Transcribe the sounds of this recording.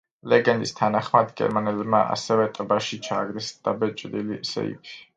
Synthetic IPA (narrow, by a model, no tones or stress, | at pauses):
lɛɡɛnd̪ist̪ʰanaχmad̪ɡɛ̰ɾmanɛlbmaʔa̰sɛvɛt̪ʼbaʃit͡ʃʰaːɡɾɛsd̪̥abɛt͡ʃʼd̪ilisɛ̰ḭpʰi̥